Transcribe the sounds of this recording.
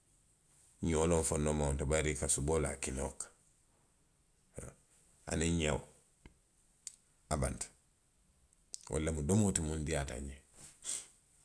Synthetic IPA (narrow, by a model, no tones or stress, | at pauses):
ɲolomfonːomaontabaɾikasubola̰kino̰k | a̰niɲaw | aba̰nt | wʔo̰lːemudomotimundiata̰ɲe